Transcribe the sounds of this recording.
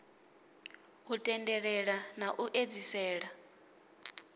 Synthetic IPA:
utʼɛndɛɺɛɺanaʔuʔed͡zisɛːɺa

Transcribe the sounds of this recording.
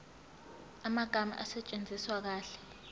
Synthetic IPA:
amaɡ̥ʱama̰ʔasɛt͡ʃʼend͡zʱiswak̬aːɬɛ̥

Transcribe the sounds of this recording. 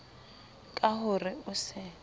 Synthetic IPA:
kʼaɦʊrɪʊsɪ

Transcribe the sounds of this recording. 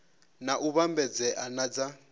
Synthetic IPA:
naʔuβambɛd͡zɛʔanad͡za

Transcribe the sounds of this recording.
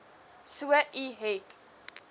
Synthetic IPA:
siwɛʔiɦetʼ

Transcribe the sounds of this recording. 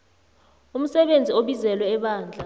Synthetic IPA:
um̩sɛɓend͡zʱioɓizɛlwɛːɓaːnd͡ɮʱa

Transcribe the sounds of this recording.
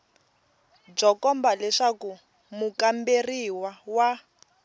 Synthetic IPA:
b͡ʐɔkɔmbalɛʂaku | mukamberiwawa

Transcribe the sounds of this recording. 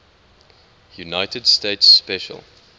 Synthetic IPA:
junaɪtədsteɪtsːpɛʃə̰lˠ

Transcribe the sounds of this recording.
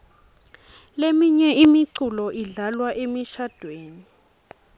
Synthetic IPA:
lemiɲɛʔimiǀulɔʔiɮalwaʔemiʃad̥ʱweːni

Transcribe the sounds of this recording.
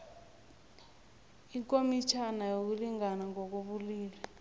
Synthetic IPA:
iŋkʼomit͡ʃʰanajok̬uliŋanaŋɔk̬uɓuliːlɛ

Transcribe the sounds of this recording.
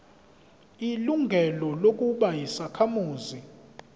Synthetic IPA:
iluŋɡʱɛlɔlok̬ʼuɓajisakʰamuːzi

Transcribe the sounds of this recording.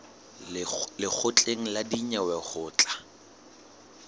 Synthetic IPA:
lɪk͡xʰʊt͡ɬʼeŋ̩ladiɲawɛχʊːt͡ɬʼḁ

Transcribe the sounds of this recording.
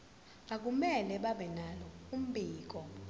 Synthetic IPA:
ak̬umɛlɛɓaɓɛnalɔum̩bʱiːk̬ɔ

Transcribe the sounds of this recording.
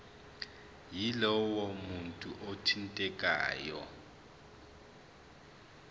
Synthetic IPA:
jilɔwomuntʼuʔotʰintʼɛkʼa̰ːjɔ̰

